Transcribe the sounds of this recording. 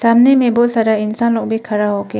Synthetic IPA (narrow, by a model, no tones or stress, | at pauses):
samnemebɔʔsaɾainsanlɔk̚bikʰaɾaɦɔke